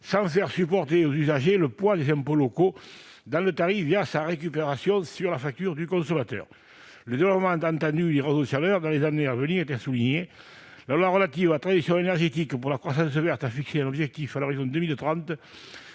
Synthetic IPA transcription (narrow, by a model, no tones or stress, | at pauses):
sɑ̃fɛʁsypɔʁt̪eozyzaʒeləpwad̪ezɛ̃mpoloko | d̪ɑ̃lət̪aʁifvjasaʁek̬ypeʁasjɔ̃syʁlafak̚t̪yʁd̪ykɔ̃sɔmat̪œ̰ʁ | ləd̪evlɔpəmɑ̃t̪ɑ̃nt̪ɑ̃d̪yd̪eʁezosalœʁd̪ɑ̃lezaneavəniʁet̪ɛsuliɲe | lalwaʁəlat̪ivaat̪χad̪isjɔ̃enɛʁʒet̪ikpuʁlakχwas̬ɑ̃s̬əvɛʁt̪afikseɛ̃nɔbʒɛk̚t̪ifaloʁizɔ̃d̪əmilt̪ʁɑ̃nt̪